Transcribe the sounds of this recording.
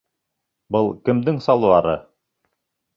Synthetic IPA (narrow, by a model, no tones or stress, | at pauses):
bɤlˠkɘ̆md̪ɘŋsɑlˠuɑɾɤ̰